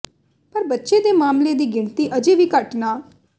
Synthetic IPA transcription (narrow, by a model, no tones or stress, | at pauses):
pəɾbətːʃeːd̪eːmaːmleːd̪iːɡɪɳt̪iːʔəd͡ʒeːʋiːkəʈnaː